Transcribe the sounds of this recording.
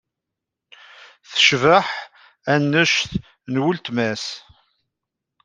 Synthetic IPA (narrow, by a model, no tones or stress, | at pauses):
θə̥ʃvəħ | ænːəʃθ | nwʊlt̪mæs